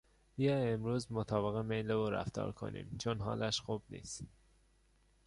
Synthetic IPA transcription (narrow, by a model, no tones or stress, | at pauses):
bijɒemɾuːzmot̪ʰɒːbeɣemejleoɾæ̰ft̪ɒ̰ːɾkʰo̰nḭːmt͡ʃʰonɦɒ̰ːlæʃxuːbnḭːst̪